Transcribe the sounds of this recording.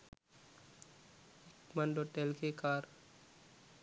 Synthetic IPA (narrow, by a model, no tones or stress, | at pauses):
ɪkmənɖoʈelkekaːɾ